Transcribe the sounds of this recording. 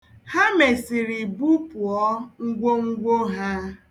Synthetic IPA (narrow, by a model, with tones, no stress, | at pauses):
ha˦me˨sɪ˨ɾi˨bu˦pu˨ɔ˦ŋ̩˦ɡʷo˦ŋ̩˦ɡʷo˦ɦa˦